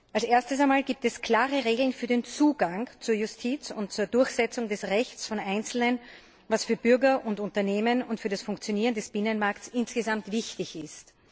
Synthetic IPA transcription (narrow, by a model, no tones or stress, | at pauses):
ʔalsʔeːɐstəs̬aɪmaːlɡiːp̚tɛskʰl̥aːʁəʁeːɡl̩nfyːɐdeːnt͡suːɡaŋt͡suːɐjʊstʰiːt͡sʊ̰nt̚t͡suːɐdʊɐçz̥ɛt͡sʊŋdɛsʁɛçt͡sfɔnʔaɪnt͡sl̩nən | vasfyːɐb̥ʏɐɡɐʔʊntʊntɐneːmənʊntfyːɐdasfʊŋkt͡sjoniːʁəndɛsb̥ɪnənmaɐktsɪnsɡ̥əzamtv̥ɪçtɪçɪst